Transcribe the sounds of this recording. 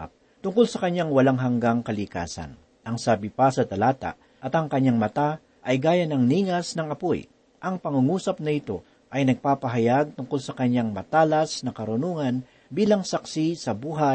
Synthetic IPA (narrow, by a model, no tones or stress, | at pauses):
p̚ | t̪ʊŋkolsɐkɐɲːaŋwɐlaŋɦɐŋɡaŋkɐlɪka̰ːsɐ̰n | ʔɐŋsaːbɪpasɐt̪ɐlaːt̪a̰ | ʔɐt̪ɐŋkɐɲːaŋmɐt̪a | ʔɐjɡaːjanɐŋniːŋɐsnɐŋɐpoj | ʔɐŋpɐŋʊŋuːsɐp̚nɐʔɪt̪o̞̰ | ʔɐjnɐɡ̚paːpɐɦɐjaɡ̚t̪ʊŋkolsɐkɐɲaŋmɐt̪aːlɐsnɐkɐɾʊnuːŋɐn | biːlɐŋsɐksisɐbuːɦa